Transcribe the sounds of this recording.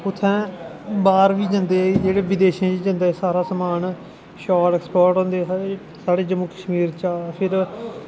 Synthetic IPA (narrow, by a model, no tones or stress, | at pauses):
ʊt̪ʰːɛ̃ːbaːɾʋiːd͡ʒãnd̪eːaiːd͡ʒeːɽeːʋɪd̪eːʃãːd͡ʒiːd͡ʒãːnd̪aːsaːɾaːsəmaːn | ʃaːɾɛːkspoːɾʈɦõːnd̪eːɦa | saːɽeːd͡ʒəmːuːkəʃmiːɾt͡ʃaːpʰɪɾ